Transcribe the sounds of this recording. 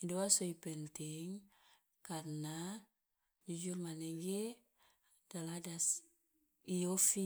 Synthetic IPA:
idowasoipɛntiŋ | karna | d͡ʒud͡ʒurmaneɡe | daladas | iofi

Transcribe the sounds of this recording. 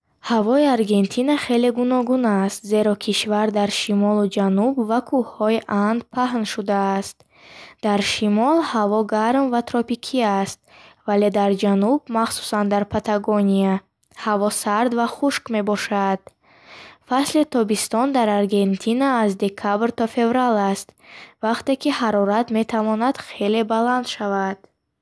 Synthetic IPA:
havɔiaɾɡe̞nt̪ʰinaχe̞le̞ɡunɔɡunast̪ze̞ɾɔkʰiʃvaɾd̪aɾʃimɔlud͡ʒanubvakʰuhhɔiʔand̪pʰaɦnʃud̪aːst̪ | d̪̥aɾʃimɔlhavɔɡaɾmvat̪ʰɾɔpikʰiast̪̚vale̞d̪aɾd͡ʒanub̚maχsu̥sand̪aɾpʰat̪ʰaɡonia | havɔsaɾd̪vaχuʃkme̞bɔʃad̪̥ | faslit̪ʰɔbist̪ɔnd̪aɾaɾɡe̞nt̪ʰinaːzd̪e̞kʰabɾt̪ʰɔfe̞vɾalast̪vaqt̪e̞kihaɾɔɾat̪me̞t̪ʰavɔnad̪̥χele̞baland̪ʃavad̪̥

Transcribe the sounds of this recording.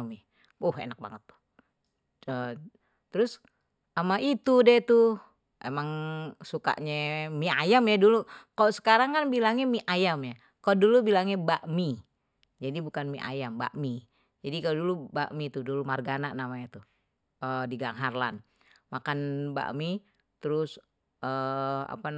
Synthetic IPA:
mi | ohḛnak̚ba̰ŋət̪ːu̥ | ə | t̪əɾʊs | amaʔit̪udɛt̪u | ʔḛmaŋsuka̰ʔɲɛmiajamjadulukaloʔsə̥kaɾaŋkanbilaŋɲamiʔajamja | kaloʔdulubilaŋɲabaʔmi | d͡ʒadibukanmiʔa̰jamba̰ʔmi | d͡ʒadikaloduluba̰ʔmit̪udulumarɡanaʔnamaɲat̪u | ədiɡaŋɦarla̰n | makanba̰ʔmi | t̪əɾʊs | əa̰pa

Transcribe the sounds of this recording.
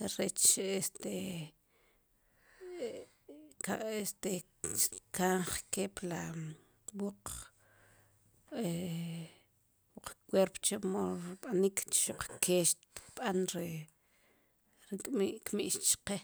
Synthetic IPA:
ɾet͡ʃest̪e | kaʔest̪e | kaɴχkeːpla | wuq͡χ | e | wuq͡χkweɾpt͡ʃemoɾuɓanikt͡ʃʃuq͡χkeːʃt̪kɓ̥anɾi | ɾikʼmiʔkmiʔʃt͡ʃqe

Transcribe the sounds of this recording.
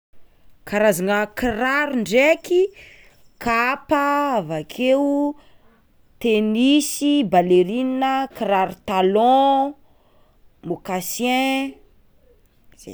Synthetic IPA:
kaɾazaŋəkiɾaɾuɳɖ͡ʐeki | kapavakʰew | t̪enisibaleɾininəkiɾaɾut̪alɔ̃ | mokasjɛ̃

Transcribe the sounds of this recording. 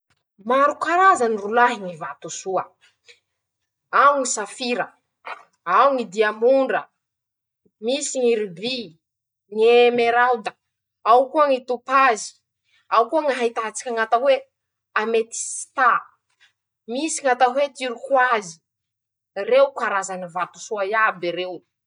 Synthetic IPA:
maɾukaɾazanirulaɦiŋivat̪usuə | awŋisafiɾə | awuŋid̪iamuɳɖ͡ʐə | misiŋiɾibi | ŋemeɾawd̪ə̥ | awkuəŋit̪upazi̥ | awkuŋaɦajt̪at͡si̥kʲaŋat̪awe | amet̪i̥si̥t̪a | misiŋat̪aɦwet̪iɾukwazi̥ | rewkaɾazanivat̪u̥suajabiɾew

